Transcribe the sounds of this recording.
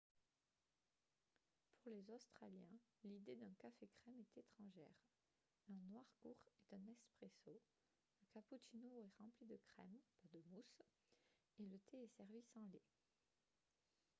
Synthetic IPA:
puʁlezost̪χaljɛ̃lid̪ed̪ɛ̃kafekχɛmɛt̪et̪χɑ̃ʒɛ̰ːʁ | ɛ̃nwaʁkṵʁɛt̪ɛ̃nɛspχeso | ləkaput͡ʃinoɛʁɑ̃plid̪əkχɛmpad̪əmus | elət̪ʰeɛsɛʁvisɑ̃le

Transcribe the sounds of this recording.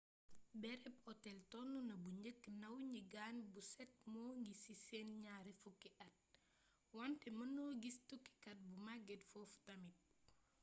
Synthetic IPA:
bɛɾɛpɔtːɛltɔnːunɐbuɲəkːnɐwɲiɡanbusɛt̚mɔːŋɡisisɛnɲaːɾifukːiʔɐt̚ | wantɛmɐnɔːɡistukːi̥kɐt̚bumaɡɛtfɔftɐmit̚

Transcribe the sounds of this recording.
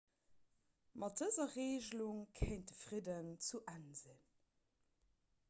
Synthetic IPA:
mɑt̚dəzɐʁeːʑluŋkʰeɪnt̚dəfʁidənt͡suʔænzin

